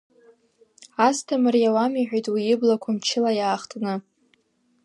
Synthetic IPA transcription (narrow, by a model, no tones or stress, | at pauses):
astʰamɨrjawamiħᶣʷajtʼwiɪblakʷʰamt͡ʃʰɪlajaːχtʰʼnɨ